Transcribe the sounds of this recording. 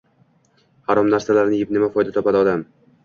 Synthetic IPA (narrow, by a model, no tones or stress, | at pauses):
haɾɒmnaɾsalaɾnɪjɪpnɪmafɒjd̪at̪ʰɒpad̪ɪɒd̪am